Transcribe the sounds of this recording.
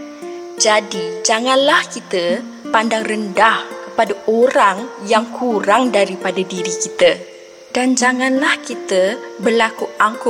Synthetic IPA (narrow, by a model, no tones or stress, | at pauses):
d͡ʒadid͡ʒaŋãnlahkit̪ə | pandaŋrəndahkə̥padaʔoɾaŋjaŋkʰuɾaŋdaɾipadadiɾikit̪ə | dand͡ʒaŋãnlahkit̪əbərlakuaŋkʊ